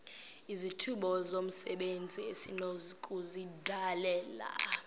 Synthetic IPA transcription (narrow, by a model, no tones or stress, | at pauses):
izitʰuɓɔzom̩sɛɓend͡zʱiesinozikʼuzidʱalɛːla̰